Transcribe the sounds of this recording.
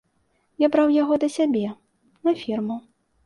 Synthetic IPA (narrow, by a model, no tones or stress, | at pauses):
jabɾawjaɣɔd̪ɐsʲabʲɛ | nɐfʲirmu